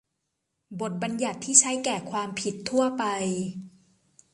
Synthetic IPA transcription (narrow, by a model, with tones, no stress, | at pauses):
bo˨˩t̪̚ba˧nja˨˩t̪ʰːiː˥˩t͡ɕʰa˦˥jkɛː˨˩kʰwaː˧mpʰi˨˩t̪ʰːu˥˩ɐpa˧j